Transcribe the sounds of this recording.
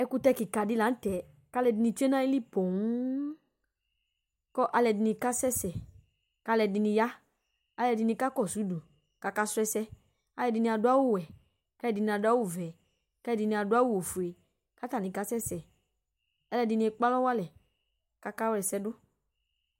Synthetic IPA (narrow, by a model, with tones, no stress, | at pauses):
ɛ˧ku˧tɛ˧ki˨ka˨dɪ˦la˨˦tɛ˨ | ka˦lɛ˧dɪ˧ni˧t͡ʃu˦e˦na˦i˦li˦po˨ŋ˦ | kɔ˦ʔa˧lɛ˧˨dɪ˧ni˧ka˦sɛ˦sɛ˨ | ka˧˦lɛ˧˨dɪ˧ni˧ja˦ | a˧lɛ˧dɪ˧ni˧ka˦kɔ˦˨su˨˦du˨ | ka˨˧ka˧sʊ˦ɛ˧sɛ˧ | a˧lɛ˧dɪ˧ni˧a˧dʊ˧˦a˦wʊ˦˨wɛ˨ | ka˨˦lɛ˧˨dɪ˧ni˧a˧dʊ˧a˦wu˦˨vɛ˨ | ka˨˦lɛ˧˨dɪ˧ni˧a˧dʊ˧˦a˦wu˦wo˨fu˨e˨ | ka˦ta˦˨nĩ˨ka˦sɛ˦sɛ˨ | a˧lɛ˧dɪ˧ni˧ɛ˧k͡pa˦lɔ˦wa˦lɛ˨ | ka˧ka˦wlɛ˨sɛ˧dʊ˦